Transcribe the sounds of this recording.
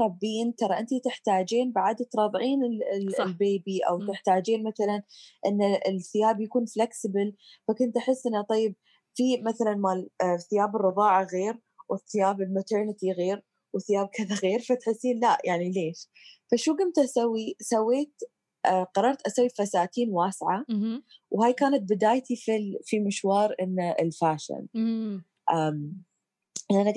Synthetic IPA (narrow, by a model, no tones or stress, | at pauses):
ɾˤɑbːiːnt̪ɑɾˤɑʔɪnt̪it̪ɪħt̪aːd͡ʒeːnbaʕad̪t̪ɾˤɑðˤʕiːnɪllbeːbiʔa̰wt̪ɪħt̪aːd͡ʒeːnmaθalanʔɪnːaɪθɪjaːbjakuːnflaksɪbɪl | fakʊnt̪ʔaħɪsːʔɪnːat̪ˤɑjːɪb̚ | fimaθalanmalθɪjaːbɪrːɨðˤɑːʕaɣeːɾ | wɪθːɪjaːbɪlmat̪əɾnɪt̪iɣeːɾ | wθɪjaːb̚kʰɪðaɣeːɾfat̪ħɪsːiːnlaʔjʔaʕnileːʃ | faʃuːɡamt̪ʔasawːisawːeːt̪ | ʔqɑrˤːɑɾˤt̪ʔasawːifasaːt̪iːnwaːsʕa | whaːjkaːnat̪̚bɪd̪aːjt̪ififimɪʃwɑːɾˤʔɪnːaɪ̰lfaːʃɪ̰n | ʔaːm | aʔana